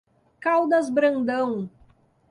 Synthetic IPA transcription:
kawd̪ɐzbɾɐ̃nd̪ɐ̃w̃

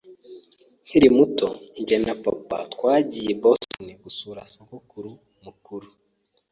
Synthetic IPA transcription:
niɾimutoiɲɟenapapa̰tkwaːɟijebostoniɡusuːɾasokokuɾu | mukuɾu

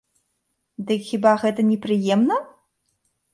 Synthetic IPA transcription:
d̪ɨkxʲibaɣɛt̪ɐnʲɛpɾɨjɛmnɐ

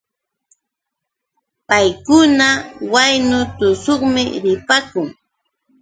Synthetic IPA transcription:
pajkʊnawajnʊt̪ʊsoχmɪɾɪpakʊŋ

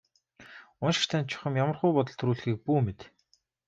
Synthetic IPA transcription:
ʊnʃɪ̥̆rt̪ʰæːnt͡ɕʰʊ̥χə̆mjamə̆rχʊjpɔt̪̬ɞ̆ɮt̪ʰɾuːɮxiːk̚puːmet̪

